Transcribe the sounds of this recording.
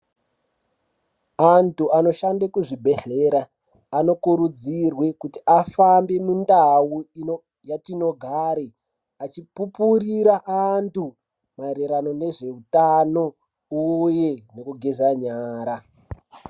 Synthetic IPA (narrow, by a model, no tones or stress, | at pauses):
antuano̞ʃandekuʐibʱe̞ɬe̞ɾaː | no̞kuɾud͡zirwe̞kutiafambe̞mundawui | jatino̞ɡʱaɾe | at͡ʃipupuriɾaʔantu | maeɾeɾano̞ne̞ʐe̞utano̞ | uje̞nekuɡʱezaɲaːɾa